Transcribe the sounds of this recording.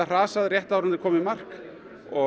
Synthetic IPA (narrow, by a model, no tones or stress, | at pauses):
ar̥aːsaðrjɛht̪awɾanɪɾ̥kʰɔːmɪmar̥k | ɔ